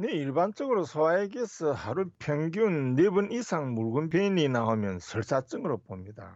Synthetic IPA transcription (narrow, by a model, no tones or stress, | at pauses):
neiɭbant͡ɕ͈ʌɡɯɾosʰʌwaeɡesʰʌhaɾupʰjʌŋɡiunːebunisʰaŋmuɭɡunpeininaɦomjʌnsʰʌɭs͈at͡ɕ͈ɯŋɯɾʌp͈omɲida̰